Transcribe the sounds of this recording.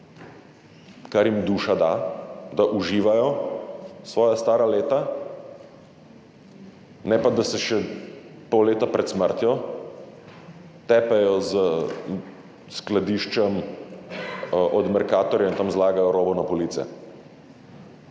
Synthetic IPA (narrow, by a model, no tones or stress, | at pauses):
kaɾjimd̪uːʃad̪ad̪aʔuʒiːʋajɔ | sʋɔːjast̪aːɾaleːt̪a | nɛpad̪asɛʃɛpɔwleːt̪apɾɛt̪sməɾt̪jɔ | t̪ɛːpɛjɔz | sklad̪iːʃt͡ʃɛm | ʔɔd̪mɛɾkaːt̪ɔɾjɛint̪amzlaːɡajɔɾoːbɔnapɔliːt̪sɛ̰